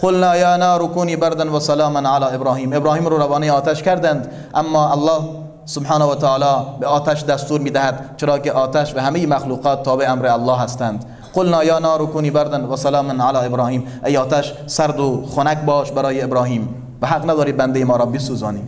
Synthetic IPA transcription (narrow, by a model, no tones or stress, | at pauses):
qolnɑːjɑːnɑːɾʊkuːniːbæɾd̪anvasalɑːmanʕalɑːebɾɑːhiːmebɾɑːhiːmɾoːɾavɑːnejɑːt̪æʃkæɾd̪ænd̪ | ʔamːɑːalːɑːh | sʊbħɑːnawat̪æɑːlɑːbeɒːt̪æʃd̪æst̪uːɾmiːd̪æhæd̪t͡ʃeɾɑːkeʔɑːt̪æʃvæhæmejimaxluːqɑːt̪ʰːɑːbeæmɾealːɑːɦæst̪ænd̪ | qolnɑːjɑːnɑːɾʊkuːniːbæɾd̪anvæsalɑːmanʕalɑːebɾɑːhiːm | ʔejɒːt̪æʃ | sæɾd̪ʊxonækbɒːʃbæɾɑːjeːbɾɑːhiːm | væɦaqnæd̪ɒːɾiːbænd̪ejemɒːɾɑːbesuːzɑːniː